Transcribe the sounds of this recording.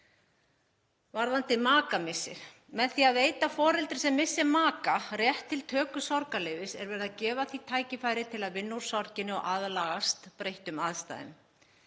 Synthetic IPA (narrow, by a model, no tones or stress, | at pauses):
vaɾðant̪ɪmaːkamɪsːɪ̰ɾ̥ | mɛðθiaðveːjt̪afɔːɾɛlt̪ɪ̥ɾ̥sɛmːɪsːɪmaːkarjɛht̪ʰːɪlt̪ʰœːkʏsɔɾkalɛjvɪsɛ̰ɾvɛɾɪðacɛːvaθit̪ʰaːjcɪfaːjɾɪt̪ʰɪlaðvɪnːuɾ̥sɔɾcɪnɪɔ̰ɣʔaðlaːɣast̪pɾejht̪ʏmaðst̪a̰ːðɪ̰m